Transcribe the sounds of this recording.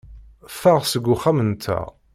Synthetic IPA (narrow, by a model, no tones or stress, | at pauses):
faʁsəɡʷːuχæmənt̪ʰːæ̰